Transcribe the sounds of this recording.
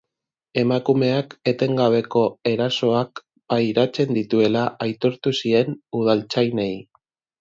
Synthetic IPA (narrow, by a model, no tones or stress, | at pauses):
e̞makume̞ake̞t̪e̞ŋɡaβ̞e̞ko̞e̞ɾaso̞ak | bajɾat͡se̞nd̪it̪ue̞laʔajt̪o̞ɾt̪usie̞nuð̞alt͡sajne̞j